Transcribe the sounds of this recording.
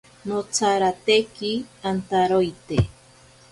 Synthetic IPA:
not͡sʰaɾat̪ekiant̪aɾojt̪e

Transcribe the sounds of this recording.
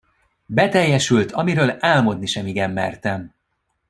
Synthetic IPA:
bɛt̪ɛjːɛʃylt̪ʰɒmiɾøːlaːlmo̞d̪niʃɛmiɡɛmːɛ̰rt̪ɛm

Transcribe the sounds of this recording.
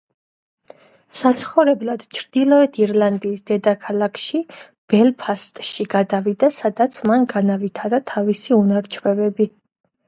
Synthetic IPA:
sat̪sʰχɔvɾɛblˠad̪̥t͡ʃʰɾd̪ilˠɔɛt̪ʰiɾlˠand̪iːsd̪̥ɛd̪akʰalˠakʰʃi | b̥ɛlˠpʰast̪ʼʃiɡad̪avid̪asad̪at̪sʰmanɡanavit̪ʰaɾat̪ʰavisiunaɾt͡ʃʰvwɛvɛbi

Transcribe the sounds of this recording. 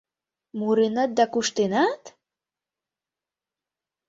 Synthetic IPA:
muɾenɑt̪̚d̪ɑkuʃt̪enat̪

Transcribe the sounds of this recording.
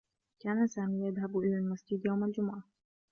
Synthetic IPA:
kaːnasaːmiːjaðɦabʔɪlaːlmasd͡ʒɪd̪jawmald͡ʒʊmʊʕa

